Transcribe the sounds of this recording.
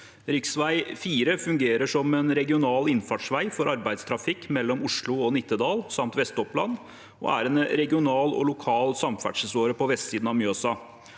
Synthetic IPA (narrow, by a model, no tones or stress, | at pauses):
ɾɪksʋæɪfiːɾəfʉŋɡeːɾəʂɔmɛnɾɛɡɪʊnɑːlɪnfɑʈʂʋæɪfɔɾʔɑɾbæɪd̪st̪ʰɾɑfɪkːmɛlːɔmʊʂɭʊɔnɪt̪ːəd̪ɑːlsɑmt̪ʋɛst̪ɔplɑn | ɔ̰æ̰ɾɛnɾɛɡɪʊnɑːlɔ̰lʊkʰɑːlsɑmfæ̰ʈʂəsoːɾəpɔʋɛst̪siːd̪nɑʋmjøɑsɑː